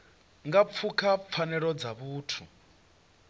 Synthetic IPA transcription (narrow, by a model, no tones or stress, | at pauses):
ŋɡap̪fʰukʰap̪fʰanɛɺɔd͡zaβuːtʰu